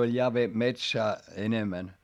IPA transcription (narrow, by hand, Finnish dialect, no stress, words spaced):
olʲ jɑ ʋe metsæː enemæn